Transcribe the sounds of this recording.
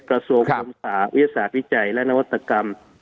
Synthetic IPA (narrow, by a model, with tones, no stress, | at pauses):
kɾa˧su˧əŋʰo˧msaː˨˩˦wi˦˨˧saː˨˦wi˦˥t͡ɕa˨˩jlɛ˦˧ʔna˧wa˧t̪ːa˧ka˧m